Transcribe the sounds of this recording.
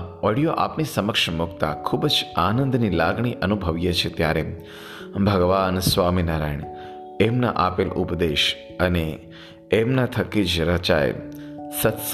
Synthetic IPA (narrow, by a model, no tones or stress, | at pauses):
ɔɽijoʔa̰pnisəməkʂmʊkt̪a̰kʰubd͡ʒanənd̪nilaɡɳ̃iʔənubʱəʋjet͡ʃʰet̪jaɾe | bʱəɡʋaːnsʋaminaːɾaːjɳ | emna̰ʔapelṵpd̪eʃ | əneː | mnat̪ʰəkid͡ʒɾət͡ʃa̰j̰sət̪s